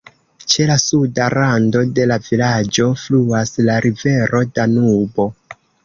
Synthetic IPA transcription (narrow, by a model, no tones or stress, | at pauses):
t͡ʃe̞lasudaɾando̞de̞lavilad͡ʒo̞fluaslaɾʔive̞ɾo̞danubo̞